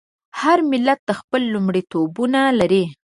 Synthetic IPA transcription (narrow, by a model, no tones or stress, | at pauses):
haɾmɪlat̪̚d̪əxpəlːumɽit̪obunalaɾi